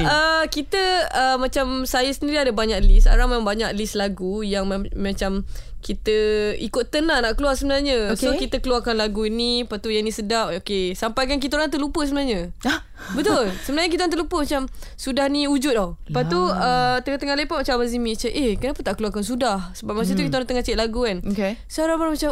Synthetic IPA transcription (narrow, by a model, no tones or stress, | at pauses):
əkit̪əəmat͡ʃamsajəsəndiɾiadəbaɲaklisaɾaŋmambaɲaklislaɡujaŋmmãt͡ʃamkit̪əikʊt̪ːənãnaʔkəluarsəbənaɲəsokit̪əkəluwarkanlaɡuinipat̪ujanĩsədaʔ̚okesampajkank̬it̪aoɾaŋt̪əlupəsəbənaɲə | bət̪ʊlsəbənaɲəkit̪oant̪əʔlupəmat͡ʃamsudahniud͡ʒut̪̚ɔpauət̪əŋat̪əŋalepaʔmat͡ʃambazimit͡ʃəʔekənapət̪aʔkəluarkansudahsəbap̚mat͡ʃãt̪ukit̪aonat̪əŋat͡ʃiʔ̪̚laɡuanokesəaɾaŋbamat͡ʃa